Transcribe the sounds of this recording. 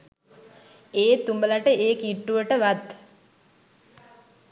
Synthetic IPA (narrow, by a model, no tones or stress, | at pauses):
eːt̪umbəlaʈəeːkiʈːuʋəʈəʋat̪